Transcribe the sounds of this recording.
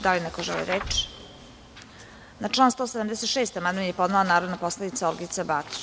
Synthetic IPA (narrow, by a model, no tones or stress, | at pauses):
d̪alinɛkoʒɛlḭɾeːt͡ʃ | naʈ͡ʂlˠaːnst̪oːsed̪amd̪ɛset̪ʃeːst̪amand̪mnjepo̞d̪nalanaːɾod̪napo̞sled̪it̪saolɡit̪sabat̪u̥